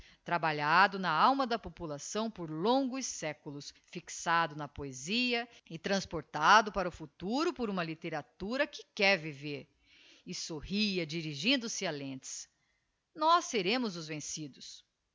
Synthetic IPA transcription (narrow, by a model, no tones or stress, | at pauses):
t̪ɾabaʎad̪ʊnɐawmɐd̪ɐpopulasɐ̃w̃poɾlõŋɡʊsːɛkʊlʊs | fiksad̪ʊnɐpoeziɐɪt̪ɾɐ̃spoɾt̪ad̪ʊpaɾɐʊfut̪uɾʊpoɾũmɐlit̪eɾat̪uɾɐkɪkɛɾviveɾ | ɪsohiɐd͡ʒiɾiʒĩnd̪ʊsɪalẽt͡ʃɪ̥s | nɔsːeɾẽmʊzʊzvẽsid̪ʊs